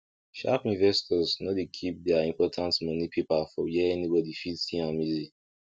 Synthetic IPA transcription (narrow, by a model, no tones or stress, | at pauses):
ʃa̰pĩnvɛstʰɔznɔdekʰip̚dɛaĩmpɔtʰãntmʌnipʰepafɔjɛɛnibɔdifitsĩãmizi